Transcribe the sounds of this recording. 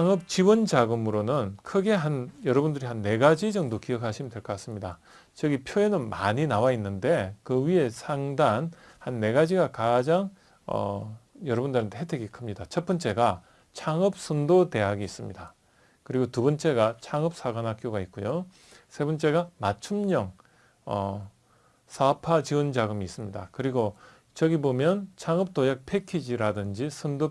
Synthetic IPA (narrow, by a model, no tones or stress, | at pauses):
ŋɯp̚t͡ɕiwʌnd͡ʑaɡɯmɯɾonɯnkʰɯɡe̞ɦanjʌɾʌbundɯɾiɦanːe̞ɡad͡ʑid͡ʑʌŋdokiʌkʰaɕʰimindwe̞ɭk͈ʌk͈as͈ɯmɲida | t͡ɕʌɡipʰjoe̞nɯnmaɲinawainːɯnde̞kɯɥie̞sʰaŋdan | hanːe̞ɡad͡ʑiɡakad͡ʑaŋ | ʌ̰jʌɾʌbundɯɾɯntʰeɦedʰeɡikʰɯmɲidat͡ɕʰʌp͈ɯnt͡ɕ͈e̞ɡa | t͡ɕʰaŋɯp̚sʰɯndote̞ɦaɡiis͈ɯmɲida | kɯɾiɡotubʌnt͡ɕ͈e̞ɡat͡ɕʰaŋɯp̚s͈ʰaɡanɦak͈joɡait̚k͈ujo | sʰe̞bʌnt͡ɕ͈e̞ɡamat͡ɕʰumɲʌŋ | ʌ | sʰapʰat͡ɕiɯnd͡ʑaɡɯmiːs͈ɯmɲidakɯɾiɡo | t͡ɕʌɡibomjʌnt͡ɕʰaŋɯp̚t͈ojak̚pʰe̞kʰid͡ʑiɾadɯnd͡ʑisʰɯndo